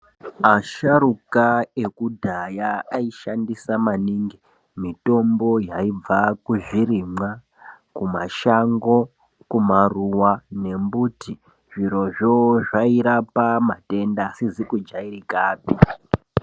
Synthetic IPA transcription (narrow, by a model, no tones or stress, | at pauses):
aʃaɾukae̞kudʱajaːiʃandisamaniːŋɡi | mito̞mbo̞jaib͡vakuʐiɾimwa | kuma̰ʃaŋɡo̞ | kumaruwane̞mbuti | ʐiɾo̞ʐoʐaiɾapamate̞ndasizikud͡ʒaiɾikaːpi